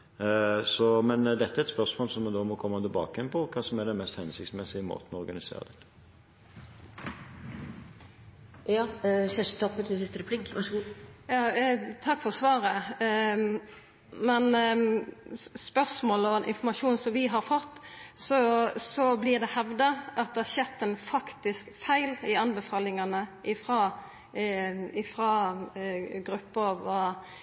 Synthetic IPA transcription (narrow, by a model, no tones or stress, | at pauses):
sɔmɛnd̪ɛt̪ːəɛɾɛt̪spœʁsmoːlsɔmːɛnd̪oːmɔkʰɔmːət̪ɪlbɑ̰ːkəjɛnpʰɔkʰɑːsɔmɛd̪ɛmɛst̪hɛnsɪkt̪smɛsɪɪmo̰ːt̪ən̩ɔɔɾɡɑnɪsḛːɾə̰d̪ɛt̪ːə̥ | jɑːsɛʂt̪ʰɔpːət̪ʰɪsɪst̪əɾɛplikɑʂjɑːt̪ʰɑkːfɔʁsʋɑːɾə | mɛn | spœsmoːlɔɛnʔɪ̰nfɔmɑʂuːnsɔmʋɪɦɑɾfɔt̪ːsɔsɔblɪd̪ɛhɛʋd̪əʔɑt̪̚d̪ɛæɕɛt̪ːənfɑkt̪ɪskfæɪlɪɑnbɛfɑːlɪŋɑnəʔɪfɾɑː | ɪfɾɑ | ɡɾʉpːəʋɑ